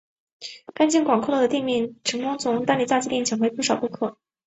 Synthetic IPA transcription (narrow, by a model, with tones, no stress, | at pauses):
ka˥nt͡ɕi˥˩nkwɑ˨˩ŋkʰo˥˧lɤ˥˩d̪ə˩t̪i˥˧ŋmi˥˩nʈ͡ʂʰɤ˧˥ŋkʊ˥ŋt͡sʰʊ˧˥ŋt̪a˥nli˨˩t͡sa˥˧t͡ɕi˥ljɛ˥˩nt͡ɕʰɛ˧˥xwe˥˧ɪpu˥˩ʂɑ˨˩ʊpu˥˧kʰɤ˥˩